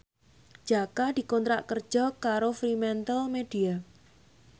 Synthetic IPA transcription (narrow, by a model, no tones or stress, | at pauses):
d͡ʒ̥akad̪̥i̤kɔnt̪ɾaʔkərd̥ʒ̥ɔ̤kaɾofɾimɛnt̪əlmed̥ia